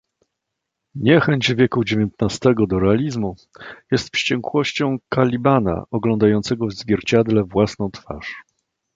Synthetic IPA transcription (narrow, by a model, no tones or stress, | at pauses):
ɲɛxɛɲd͡ʑvʲjɛkud͡ʑevʲjɛnt̪nast̪ɛɡɔd̪ɔɾɛalʲizmu | jɛst̪fʂt͡ɕɛŋkwɔɕt͡ɕɔ̃w̃kalʲibana̰ʔɔɡlɔnd̪ajɔnt̪sɛɡɔvzvʲjɛɾt͡ɕad̪lɛvwasnɔ̃w̃t̪fa̰ʂ